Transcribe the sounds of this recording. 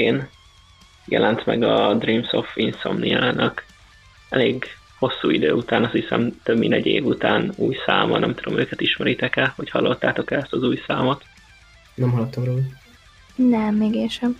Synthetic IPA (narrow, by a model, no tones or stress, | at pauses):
eːn | jɛ̰lʔɛnt̪mɛ̰ɡɒd̪riːmsofinso̰mniaːnʔɒk | ɛleːɡ | ho̞sːuːid̪øːut̪aːnɒshisɛmt̪øbḭnd̪ɛɟːeːvut̪aːnuːjsa̰ːmɒ̰nɛ̰mt̪ud̪o̞̰mʔøːkɛt̪iʃmɛɾit̪ɛkɛlhochɒlːo̞t̪ːaːt̪o̞kɛlɛst̪ɒzuːjsaːmo̞t̪ | nɛmɦɒlɒt̪ːomroːl | nɛmːeːɡeːnʃɛm